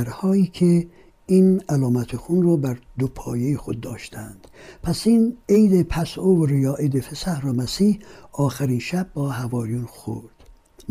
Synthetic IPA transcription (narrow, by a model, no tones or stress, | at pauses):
æɾhɒːiːkʰe | iːnælɒːmæt̪ʰexunrɔːbæɾd̪opʰɒːjejexod̪ːɒ̰ːʃt̪ʰænd̪̥pʰæsiːnejd̪epʰæsovɾijɒːʔed̪efesæhɾɒːmæsiːhɒːxæɾiːnʃæb̚ːɒːɦævɒːjuːnxo̰ɾd̪̥